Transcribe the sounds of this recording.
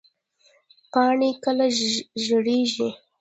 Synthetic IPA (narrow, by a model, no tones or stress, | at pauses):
pɑɳekəlaʒəɽeʒi